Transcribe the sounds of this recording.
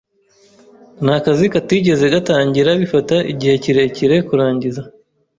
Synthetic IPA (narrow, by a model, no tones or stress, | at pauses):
nakazikatiɟe̞zeɡataːɲɟiɾaβifataʔḭɟihe̞ciɾe̞ciɾe̞kuɾaːɲɟiza